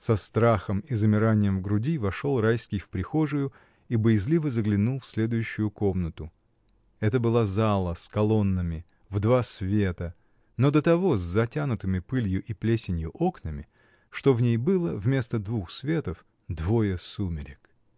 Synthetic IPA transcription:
sɐst̪ɾaxəmɪzəmʲɪɾanʲɪjəmvɡɾʊdʲivɐʂo̞lˠrajskʲɪjfpɾʲɪxo̞ʐɨjʊ | ibəjɪzlʲivəzəɡlʲɪnulˠfsʲlʲe̞d̪ʊjʉɕːʊjʊko̞mnət̪ʊ | ɛt̪əbɨlˠazalˠəskɐlˠo̞nːɨmʲɪ | vd̪vasvʲe̞t̪ə | no̞d̪ət̪ɐvo̞zʲzɐtʲanʊt̪ɨmʲɪpɨlʲjʊʔiplʲesʲɪnʲjʊʔo̞knəmʲɪ | ʂt̪o̞vnʲejbɨlˠəvmʲe̞st̪əd̪vuxsvʲe̞t̪əf | d̪vo̞jəsumʲɪɾʲɪk

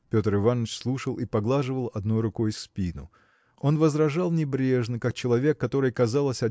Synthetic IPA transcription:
pʲo̞t̪ɾɨvanːət͡ɕslˠuʂəlˠipɐɡlˠaʐɨvəlˠɐd̪no̞jɾʊko̞jspʲinʊ̰ | o̞nvəzɾɐʐɑlˠnʲɪbɾʲe̞ʐnɨkak̚t͡ɕɪlˠɐvʲe̞kːɐt̪o̞ɾɨjkɐzɑlˠəsʲɐ

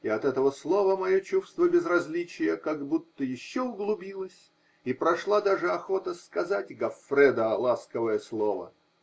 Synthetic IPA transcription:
ɪɐt̪ɛt̪əvəslˠo̞vəmɐjot͡ɕufst̪vəbʲɪzrɐzʲlʲit͡ɕɪjəkaɡbut̪ːəjɪɕːoʊɡlˠʊbʲilˠəsʲ | ipɾɐʂlˠad̪aʐɨɐxo̞t̪əskɐzatʲɡɐfɾɛd̪əlˠaskəvəjəslˠovə̰

